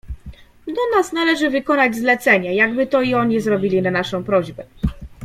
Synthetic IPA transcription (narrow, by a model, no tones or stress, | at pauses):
d̪ɔnasnalɛʐɘvɘkɔnad͡ʑzlɛt̪sɛɲajaɡbɘt̪ɔiɔɲizɾɔbʲilʲinanaʂɔ̃w̃pɾɔʑbɛ